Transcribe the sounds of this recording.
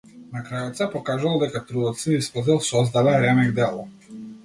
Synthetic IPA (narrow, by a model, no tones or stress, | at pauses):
nakɾajɔt̪sɛpɔkaʒuvalˠd̪ɛkat̪ɾud̪ɔt̪siispɔzilˠsɔzd̪alɛɾɛmɛɡd̪ɛlˠɔ